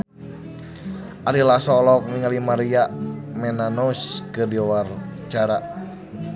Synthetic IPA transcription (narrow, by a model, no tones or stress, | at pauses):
ʔalilasɔlɔk̚miŋalimaɾiaʔmɛnanouskərdiɔwart͡ʃaɾa